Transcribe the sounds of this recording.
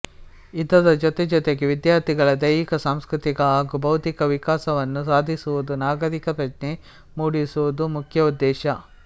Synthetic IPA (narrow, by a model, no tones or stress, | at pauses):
id̪ːɐd̪ɐd͡ʒɔt̪ɛd͡ʒɔt̪eɡeʋid̪jaːɾt̪ʰiɡɐɭɐd̪ɐjikɐsaːmskɾut̪iɡɐaːɡubɐwt̪ikɐʋikaːsɐʋɐnːusaːd̪ʱisuʋud̪unaːɡɐɾikɐpɾɐt͡ʃne | muːɽisuʋud̪umukʰjɐud̪ːɛːʃɐ